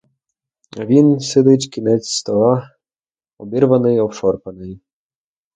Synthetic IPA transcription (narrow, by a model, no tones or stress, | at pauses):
ɐʋʲinsɪd̪ɪtʲkʲinɛt͡sʲst̪ɔlˠɑ | ɔbʲiɾʋɐnɪjɔwʃɔrpɐnɪj